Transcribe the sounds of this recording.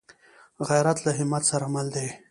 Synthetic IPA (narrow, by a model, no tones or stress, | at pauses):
ɣajɾat̪laɦɪmat̪saɾamald̪e